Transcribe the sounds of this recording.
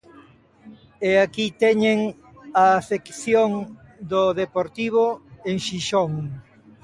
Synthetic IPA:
eakit̪ɛɲeŋ | aːfekθjoŋ | d̪oðepoɾt̪iβ̞oeŋʃiʃoŋ

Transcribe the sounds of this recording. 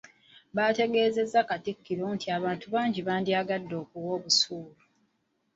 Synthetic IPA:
βaːte̞ɡe̞ːze̞zːakatikːiɾoːntiaβaːntuβaːɲɟiβaːndiaːɡadːo̞ːkuwo̞ːβusuːlu

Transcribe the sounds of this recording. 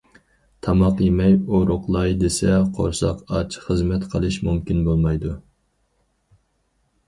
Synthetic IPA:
t̪ʰɑmɑqjemɛjoɾoqlˠɑjd̪esɛqʰo̰ɾsɑqɑt͡ʃʰχəzmɛt̪qʰəlˠɨʃmumkʲinbolˠmɑjd̪u

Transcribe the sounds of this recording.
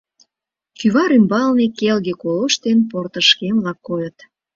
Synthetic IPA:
kyβɑɾymbɑlnekelɣekoloʃt̪enport̪ə̆ʃkemlɑkːojət̪

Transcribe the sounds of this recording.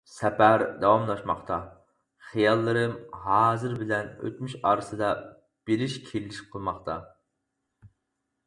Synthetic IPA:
sɛpæɾd̪ɑwɑmlˠɑʃmɑχt̪ʰɑ | χijɑlˠːɨɾɨmɦɑːzɨɾbɪlɛnø̰t̪myʃɑːɾɨsɨd̪ɑ | b̥eɾɪʃkʲʰelːɪʃqʰəlˠmɑχt̪ʰɑ

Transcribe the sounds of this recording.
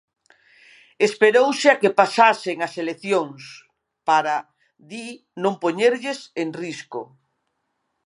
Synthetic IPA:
espeɾowseakepasaseŋaseleθjoŋs | paɾa | ði | nõmpoɲeɾʎeseŋrisko

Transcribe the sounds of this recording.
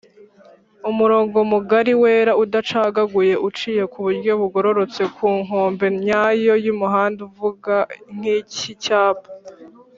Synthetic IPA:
umuɾo̞ːŋɡo̞muɡaɾiwe̞ːɾaudat͡ʃaːɡaɡuje̞ʔut͡ʃije̞kuβuɾɟjo̞βuɡo̞ɾo̞ɾo̞t͡se̞kuːŋɦo̞ːmbe̞ɲɲaːjo̞jumuɦaːnduvuɡaŋ̥icicaːbḁ

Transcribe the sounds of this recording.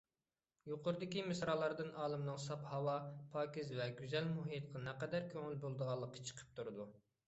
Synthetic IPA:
joqʊɾɨd̪ɪkʲimɨsɾɑːlˠɑɾd̪ɨnʔɑːlˠɨmnɨŋsɑphɑwɑpʰɑːkʲizvɛɡʲyzɛlmuɦit̪qʰɑnɛqɛd̪æɾkʲʰøŋylbolˠd̪əʁɑlˠːəqːə̥t͡ʃʰə̥qʰə̥p̚t̪ʰuɾɨd̪u

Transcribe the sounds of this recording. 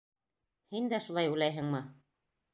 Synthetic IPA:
hind̪æʃulˠɑjujlæjɦɘ̆ŋmɤ

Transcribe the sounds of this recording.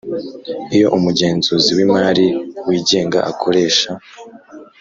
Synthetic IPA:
ijo̞ʔumuɟe̞ːnzuziwimaːɾiwiːɟe̞ːŋɡa̰ʔakʰo̞ɾe̞ːʃa

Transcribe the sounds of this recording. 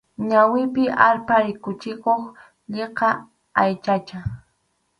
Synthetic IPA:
ɲawɪpɪʔaɾpaɾɪkʊt͡ʃɪkoχ | ʎeqɑ | ajt͡ʃat͡ʃa

